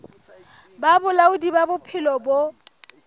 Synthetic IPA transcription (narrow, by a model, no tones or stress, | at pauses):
babʊlaʊdibabʊpʰɪlɔbo